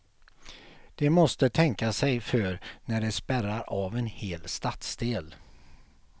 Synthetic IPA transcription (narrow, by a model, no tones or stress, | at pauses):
d̪̥ɛmɔst̪ət̪ʰɛŋkasɛjfœɾnæɖɛspæɾaɾavɛnheːlst̪at̪sd̪eːl